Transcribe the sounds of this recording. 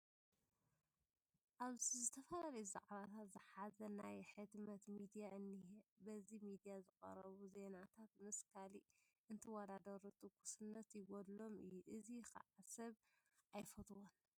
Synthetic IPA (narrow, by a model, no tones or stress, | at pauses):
ʔaβzizɨt̪ʰɐfɐlalɐjuza̰ʔʼaβat̪ʰat̪zɨħazɐnajħɨd̪mɐt̪mid̪ijaʔɨnːihbɐzimid̪ijazɨkʼɐ̰ɾɐβuze̞nat̪ʰat̪mɨskʰali | ʔɨnt̪ʰɨwɐd̪ad̪ɐɾut̪ʰʼɨkːu̥sɨnːɐt̪jɪɡɔd̪lo̞mɨ̰jːuʔɨzikʰɐ̰ʕasɐβ | ʔajfɐt̪ʰʼwon